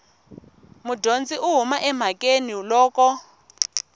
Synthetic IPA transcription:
mudond͡ziʔuɦumaʔɛm̤akʼeniulɔːkɔ

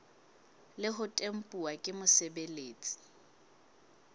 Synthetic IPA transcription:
lɪɦʊtʼem̩pʼuwakʼɪmʊsɛbeleːt͡sʼi̥

